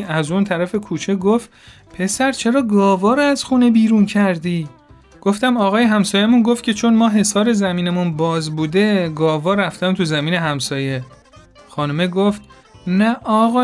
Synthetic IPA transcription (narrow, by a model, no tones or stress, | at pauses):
æzunt̪ʰæɾæfe̞kʰuːt͡ʃʰe̞ɡoft̪ | pʰe̞sæɾt͡ʃʰe̞ɾɒːɡɒːvɒːɾɔæz̥xuːne̞biːɾuːncʰæɾd̪iː | ɡ̥oft̪æmɒːɣɒːjeɦæmsɒːjemunɡoft̪̚cʰe̞t͡ʃʰo̞nmɒːɦe̞sɒːɾe̞zæmiːnemunbɒːzbuːd̪e̞ɡɒːvɒːɾæft̪æmt̪ʰuzæmiːne̞ɦæmsɒːje̞ | xɒːnume̞ɡoft̪ | næʔɒːɣɒː